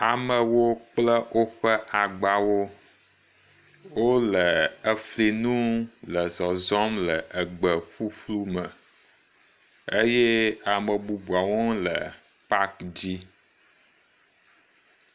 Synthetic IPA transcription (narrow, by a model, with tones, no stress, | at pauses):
a˨mə˨wo˦k͡plə˦wʔo˦ɸə˦ʔa˨ɡ͡ba˨wo˦ | wo˦lə˨ə˨fli˨nũ˦lə˨zɔ˨zɔ˦mlə˨ʔə˨ɡ͡bə˨ɸu˦ɸlu˦mə˨ | ə˦jɛ˦a˨mə˨bu˨bu˨a˨wo˦lə˨ | pa˦kd͡ʑi˦